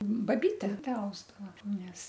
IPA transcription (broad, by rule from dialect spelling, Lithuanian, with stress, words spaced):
bɐˈbʲiːtʲɛ ˈtʲæː ˈɐʊzdɐʋɐ ˈnʲɛs